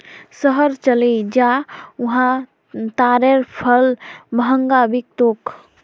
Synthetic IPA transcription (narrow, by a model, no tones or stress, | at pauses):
səɦəɾt͡ʃəled͡ʒauɦã | t̪aɾeɾpʰəlbəɦəŋɡabik̚t̪ok